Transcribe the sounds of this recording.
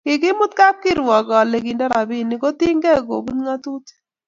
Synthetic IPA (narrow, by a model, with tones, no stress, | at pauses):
kɪ˨kɪ˦mʊ˦t̪ka˦p̚kɪ˦ɾwɔ˨ɡɔ˨le˨ki˨ndɛ˦ɾa˨bɪ˦˨ni˨ko˦t̪i˦ŋɡɛ˦˨ɡo̰˨ɡu˦nŋa˦t̪u˦t̪